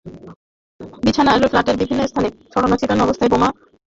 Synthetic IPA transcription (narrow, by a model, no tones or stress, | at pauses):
bit͡ɕʰanaaʃɾoflaʈeɾbibʱinːoest̪ʰaneʃɔɽonot͡ɕit̪anɔbost̪ʰaeboma